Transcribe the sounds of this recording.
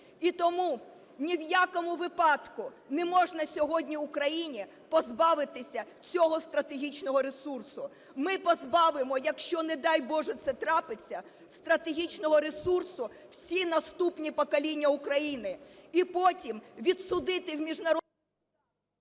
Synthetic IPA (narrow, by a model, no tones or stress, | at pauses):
it̪ɔmu | nʲiwjakɔmʊʋɪpɑt̪kʊ | nɛmɔʒnɐsʲɔɦɔdʲnʲiwʊkɾɐjinʲi | pɔzbɑʋɪt̪ɪsʲɐ | t͡sʲɔɦɔst̪ɾɐt̪eɦʲit͡ʃnɔɦɔɾesursʊ | mɪpɔzbɑʋɪmɔjɐkʃt͡ʃɔnɛd̪ɑjbɔʒɛt̪sɛt̪ɾɑpɪt͡sʲːɐ | st̪ɾɐt̪eɦʲit͡ʃnɔɦɔɾesursʊ | wsʲinɐst̪upnʲipɔkɐlʲinʲːɐʊkɾɐjinɪipɔtʲimʋʲid̪sʊd̪ɪt̪ɪwmʲiʒnɐɾ